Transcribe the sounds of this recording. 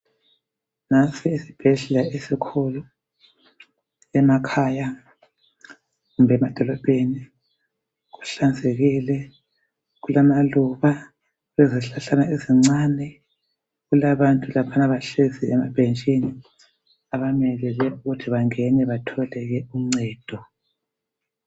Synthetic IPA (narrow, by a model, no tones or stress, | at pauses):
nasɛisi̥b̥ʱɛɮɛlaesikʰɔlɔ | ɛmakʰaːja | ɣumbɛmad̥ʱɔlɔb̥ʼʱeni | ɣu̥ɬand͡zʱeɣilɛ | ɣulamaluβa | βeziɬaɬanaeziŋ͡ǀanɛ | ɣulaβantʼulapʰanaβaɬeziɛma̰b̥ʱent͡ʃʼini | aβamɛlɛlɛuɣutʰiβaŋɛnɛβatʰɔlɛɣɛuŋ͡ǀɛːd̥ʱɔ